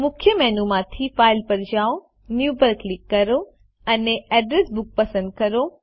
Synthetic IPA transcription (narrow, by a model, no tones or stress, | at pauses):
mʊkʰjəmɛnumãt̪ʰifaɪlpəɾd͡ʑaːo | njubəɾklikːɐɾo | əneɛɖɾesbʊk̚pəsə̃nd̪̚kəɾo